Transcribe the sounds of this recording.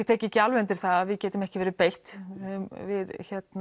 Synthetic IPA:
t̪ʰɛːcɪcalvɛnt̪ɪɾ̥θaaðvɪðcɛːt̪ʏmɛhcɪvɛːɾɪpejl̥t̪mvɪðçɛt̪n

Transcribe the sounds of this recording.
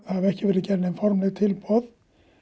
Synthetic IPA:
θaɛhcɪvɛːɾɪcɛɾnɛnfɔɾmlɪɣt̪ʰɪlpɔð

